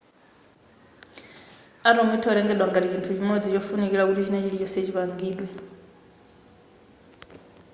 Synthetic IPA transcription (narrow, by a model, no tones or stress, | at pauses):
aɾomitʰɔɔɾɛŋɡɛɗwaŋɡaɾit͡ʃintʰut͡ʃimɔd͡zit͡ʃɔfunikiɺakutit͡ʃinɛt͡ʃilit͡ʃɔset͡ʃiβaŋɡiːɗwɛ